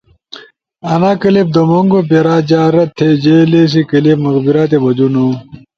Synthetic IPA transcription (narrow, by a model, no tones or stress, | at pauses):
ɐnakɐlib̚d̪omoŋɡopeɾaːd͡ʑaːɾɐt̪ʰːed͡ʑeles̬ikɐlipmɐɣbiɾat̪̬ebɐd͡ʑunu